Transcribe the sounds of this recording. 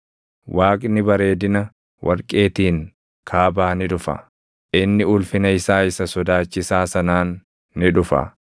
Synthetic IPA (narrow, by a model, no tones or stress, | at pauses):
wʔaːkʼnɪbɐɾe̞ːd̪ɪnɐ | wʔɐɾkʼːe̞ːt̪iːŋ | kʰaːbaːnɪᶑʊfɐ̰ | ʔɪnːɪʊlfɪnɐɪsaːɪsɐsɔd̪aːt͡ʃːɪsaːsɐnaːnː | ɪᶑʊfɐ̰